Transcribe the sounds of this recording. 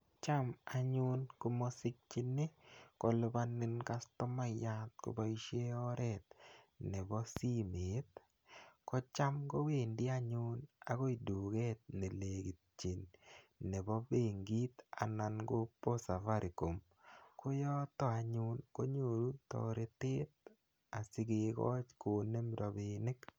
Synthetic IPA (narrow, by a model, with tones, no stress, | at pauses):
t͡ʃa˦ma˨ɲʊ˦nko˦mo˦sɪ˦k̚t͡ʃɪ˦nɪ˦kɔ˨lʊ˧ba˦nɪ˦nka˦stɔ˦ma˦ja˦t̪̚ko̰˨ba˦i˦ʃe˦ɔ˦ɾʔɛ˦t̪̚nɛ˨bɔ˦si˦me˨˦t̪̚ | kɔ˦t͡ʃa˦mɡo˦we˨ndɪ˦a˦ɲʊ˦na̰˦ko˦i˨du˨ɡɛ˦t̪̚nɛ˨le˨ɡi˨t̚t͡ʃi˨nː | ɛ˨bɔ˦be˨ŋɡi˦t̪a̰˨na˨nɡo˦po˦sa˨fa˦ɾʔi˨ko˨m | ko˦jɔ˦t̪ɔ˦a˨ɲʊ˦nko˦ɲo˨ɾu˦tɔ̰˨ɾe˦tɪ˦t̪̚ | a˨sɪ˦ɡe˨kɔ̰˦t͡ʃko˨nːe˦mdɔ˨be˨nɪ˦k